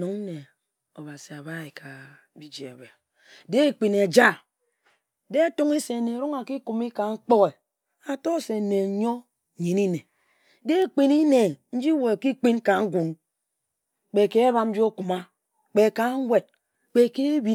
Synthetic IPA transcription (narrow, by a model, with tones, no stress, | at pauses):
u˨ŋn̩˦ne˨ | o˨βa˨si˨a˨ba˦i˨kʰa˨ | bi˨d͡ʒi˨ḛ˨be˨ | de˦k͡pi˨ne˨d͡ʒa˦ | de˦tu˦ŋe˦se˨ne˨ɾu˦ŋa˨ki˦ku˨mi˦ka˨ŋ̩˦k͡po˦ɣe˨ | a˨to˦˨se˨ne˨˦ɲo˦˨ | ɲi˨ni˦ne˨ | de˦k͡pi˨ni˦ne˨n̩˦d͡ʒi˦wo˨ki˦k͡pi˦n˦ka˨ŋ̩˦ɡʷu˨ŋ | k͡pe˨ke˦e˦βa˨mn̩˦d͡ʒi˦o˦ku˨ma˦ | k͡pe˨ka˨˦ŋ̩˦we˨d̚ | k͡pe˨ke˦bi˦